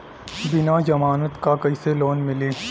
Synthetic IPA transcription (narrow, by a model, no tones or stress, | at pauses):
bɪnad͡ʒɐmaːnət̪kakɐiseloːnmɪleː